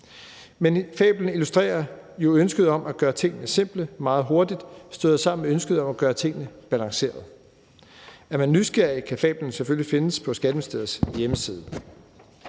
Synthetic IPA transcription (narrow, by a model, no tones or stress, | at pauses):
menfɛ̰ːb̥ln̩ilusd̥ʁɛ̰ːɐjo̝ønsɡ̥əð̞ˠɒ̽mʔæɡ̥ɶːɐt͡sʰe̝ŋ̰nəse̝m̰b̥ləmɑ̈ːð̩ˠɦo̝ɐd̥id̥sd̥øːðˠsɑ̈m̰n̩meønsɡ̥əðˠɒ̽mæɡ̥ɶːɐt͡sʰe̝ŋ̰nəb̥ælɑ̈ŋse̝̰ːɐð̩ˠ | æɐmænːysɡ̥eɐ̰ikʰæfɛ̰ːb̥ln̩seføllife̝nəspʰɒ̽sɡ̥æd̥əməsd̥eð̞̰ˠsjeməsiːð̞ˠə